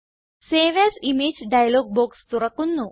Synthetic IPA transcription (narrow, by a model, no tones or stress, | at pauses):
seːʋesimeːd͡ʑɖɐjɐloːɡ̚boːkst̪uɾɐkːunːu